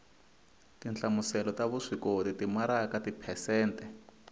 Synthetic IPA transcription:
tint͡ɬamusɛlɔtaβuʂikotitimaɾakatipʰɛsɛːntʼɛ

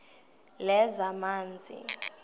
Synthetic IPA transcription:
lɛzamaːnd͡zʱḭ

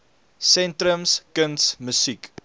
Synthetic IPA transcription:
sɛntɾəmskəntsməsik

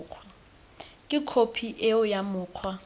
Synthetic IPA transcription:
q͡χʰa | kʼɪkʰopʰiʔeʊjamʊːq͡χʰwa

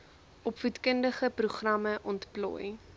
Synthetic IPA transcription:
ʔɔpvutkəndəχəpruχrɐməʔɔntplɔ̰ːj

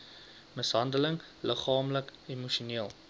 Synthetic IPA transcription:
məsɦɐndələŋ | ləχɑːmləkimuʃiuniəlˠ

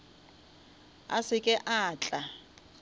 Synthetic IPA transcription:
a̰sɪkʼɛʔaːt͡ɬʼa

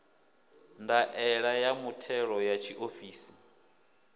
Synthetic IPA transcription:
ndaʔɛɺajamutʰɛɺɔjat͡ʃʰiʔofiːsi̥

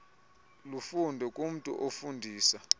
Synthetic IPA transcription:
lufundʱɛkʼum̩tʼṵʔofundʱiːsa

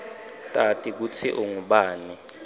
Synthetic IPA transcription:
tʼatʼik̬ut͡sʰiʔuŋuɓaːni

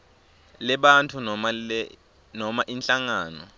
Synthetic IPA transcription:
lɛɓantʰu | nɔmaʔinɬaŋaːnɔ̰

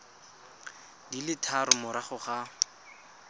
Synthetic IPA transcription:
dilɪtʰaɾʊmʊɾaχʊχa

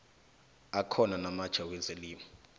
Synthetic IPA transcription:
akʰɔnanamad̥t͡ʃʰawɛzeliːmɔ

